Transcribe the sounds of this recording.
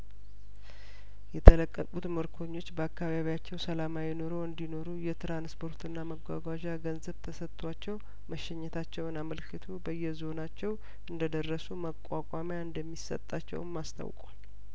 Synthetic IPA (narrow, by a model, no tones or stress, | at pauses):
jɛt̪ʰələkʼːəkʼut̪məɾkʰo̞ɲːo̞t͡ʃːbəakːaβaβijat͡ʃːɛwsəlamajɛno̞ɾo̞ɨnd̪ino̞ɾujɛt̪ʰɾanspʰo̞ɾt̪ʰɨnːaməɡʷaɡʷaʒaɡənzəβt̪ʰəsət̪ʰʼːwat͡ʃːɛw | məʃɛɲːɛt̪ʰat͡ʃːɛwɨnaməlkʰːɨt̪ʰubəjːɛzo̞nat͡ʃːɛw | ʔɨnd̪əd̪ərːəsuməkʼakʷʼamjaɨnd̪əmːisə̰t̪ʼːat͡ʃːɛ̰wnmast̪ʰa̰wkʼa̰l